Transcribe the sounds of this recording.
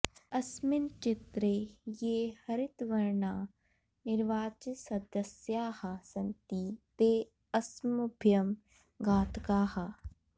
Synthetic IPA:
ɐsmɪnt͡ʃɪt̪ɾejeːhɐɾɪt̪ʋɐɾnaː | nɪɾʋaːt͡ʃsɐd̪ɐsjaːhɐsɐnt̪iːt̪eː | ɐsmubʱjɐm | ɡaːt̪kaːhɐ

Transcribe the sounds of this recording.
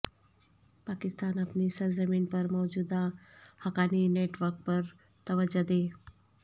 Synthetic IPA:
pakist̪aːnapniːsəɾzəmiːnpəɾmɔʋd͡ʑuːd̪ahəkanineʈʋəɾk̚pəɾ | t̪əʋəd͡ʒad̪e

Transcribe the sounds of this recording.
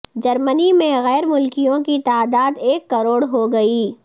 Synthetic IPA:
d͡ʒɐɾmənimẽɣɛːɾmʊlkijõkit̪aːd̪aːd̪eːkːɐɾoːɽɦoɡɐiː

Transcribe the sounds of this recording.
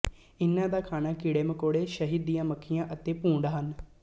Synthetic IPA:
ɪnːãːd̪aːkʰaːnaːkiɽeːməkoːɽeːʃəɦiːd̪ːijãːməkʰːɪjãːʔət̪eːpũːɳɖaːɦən

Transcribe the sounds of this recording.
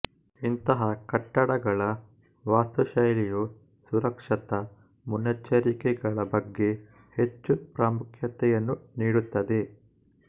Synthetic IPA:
int̪ɐɦɐkɐʈːɐɽɐɡɐɭɐ | ʋaːst̪uʃɐjliju | suɾɐkʂɐt̪ɐ | munɐt͡ʃːɐɾikɛɡɐɭɐbɐɡːe̞ | het͡ʃːupɾaːmukʰjɐt̪ɛjɐnːuniːɽut̪ːɐd̪e̞

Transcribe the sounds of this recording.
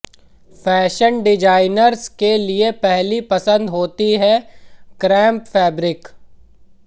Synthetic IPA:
fɛːʃənɖɪd͡ʒaːɪnəɾskeliepɛɦlipɐsə̃nd̪ɦoːt̪iɦɛkɾɛ̃ːmpfɛːbɾɪk

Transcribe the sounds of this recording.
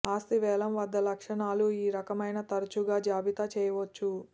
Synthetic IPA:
aːst̪iʋɛːlɐmʋɐd̪ːɐlɐkʂɐɳaːluiːɾɐkɐmɐjnɐt̪ɐɾɐt͡ʃuɡaːd͡ʒaːbit̪at͡ʃɛːjɐʋot͡ʃːu

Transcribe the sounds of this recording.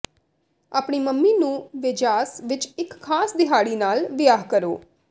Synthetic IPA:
aːpɳiːməmːiːnũːʋɪd͡ʒaːsʋɪt͡ʃɪkʰːaːsd̪ɪɦaːɽiːnaːlʋɪjaːɦkəɾoː

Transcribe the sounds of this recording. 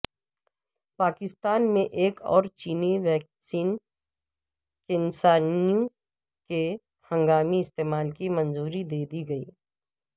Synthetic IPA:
paːkɪst̪aːnmẽʔeːkɔ̰ːɾt͡ʃiːniʋɛːk̚siːn | kɪnsaːnijũ | ke | hɐ̃ŋɡaːmiɪst̪eːmaːlkimɐ̃nzuːɾid̪eːd̪iɡɐiː

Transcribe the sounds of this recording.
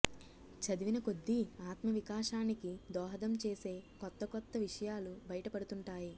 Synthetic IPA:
t͡ʃɐd̪iʋinɐko̞d̪ːiaːt̪mɐʋikaːʂaːnikid̪ɔːɦɐd̪ɐmt͡ʃeːse̞ːkɔt̪ːɐkɔt̪ːɐʋiʂɐjaːlubɐjɐʈɐpɐɽut̪uɳʈaːji

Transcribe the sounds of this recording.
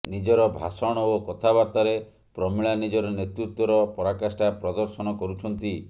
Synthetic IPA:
nid͡ʒɔɾɔbʱa̰sɔɽ̃ɔokɔt̪ʰabaɾt̪aɾe | pɾɔmiɭanid͡ʒɔɾɔnet̪ɾut̪wɔɾɔpɔɾakasʈapɾɔd̪ɔɾsɔnɔkɔɾut͡ʃʰɔnt̪i

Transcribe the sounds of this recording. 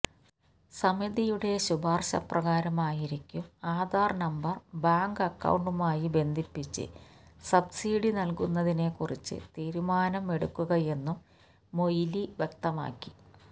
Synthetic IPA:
sɐmid̪ijuɽe̞ɕubaːrɕɐ̰prɐɣaːɾɐmaːjiɾikʲːumaːd̪aːrnɐmbɐrbaːŋɡɐkːɐ̰wɳɖumaːjibe̞nd̪ʱipːit͡ɕːɨ̰sɐbsiːɽinɐlkunːɐðine̞kurit͡ɕːɨ̰t̪iːɾumaːnɐme̞ɽṵkːuɣɐje̞nːumː | o̞jliʋje̞kt̪ɐma̰ːkːi̥

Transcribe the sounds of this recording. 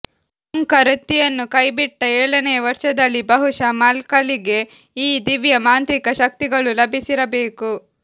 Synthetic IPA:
ɐŋkɐɾɐt̪ːijɐnːukɐjbiʈːɐeːɭɐnejɐʋɐɾʂɐd̪ɐlːibɐɦuʂɐmaːlkɐliɡe̞ | iːd̪iʋjɐmaːnt̪ɾikɐʃɐk̚t̪iɡɐɭulɐbʱisiɾɐbe̞ːku

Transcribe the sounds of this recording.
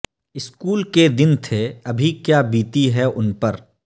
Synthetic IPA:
ɪskuːlked̪ɪnt̪ʰeɐbʱikjaːbiːt̪iɦɛʔʊnpɐɾ

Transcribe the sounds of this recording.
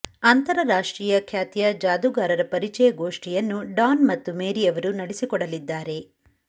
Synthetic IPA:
ɐnt̪ɐɾɐɾaːʂʈɾiːjɐkʰjaːt̪jɐd͡ʒaːd̪uɡaːɾɐɾɐpɐɾit͡ʃɛjɐɡoːʂʈijɐnːuɖaːnmɐt̪ːumeːɾiɐʋɐɾunɐɽesikɔɽɐlid̪ːaːɾe̞

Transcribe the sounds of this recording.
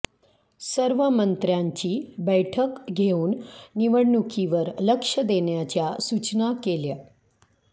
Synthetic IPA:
səɾʋəmənt̪ɾjaɲt͡ɕiːbəjʈʰəkɡʱeuːnniʋəɽɳukʰiʋəɾləkʂəd̪eɳjat͡ɕjasut͡ɕnakeljə

